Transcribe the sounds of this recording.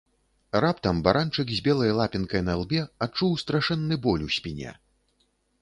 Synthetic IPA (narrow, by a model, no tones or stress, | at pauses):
rapt̪ɐmbaɾʔant͡ʂɨɡzʲbʲɛlˠɐjlˠapʲinkɐjnɐlˠbʲɛat͡ʂuwst̪ɾaʂɛnːɨbɔlʲusʲpʲinʲɛ̰